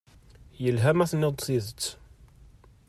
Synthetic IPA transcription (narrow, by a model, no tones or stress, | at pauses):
jəlɦæmæθnːɪd̪ˤsiðət͡sː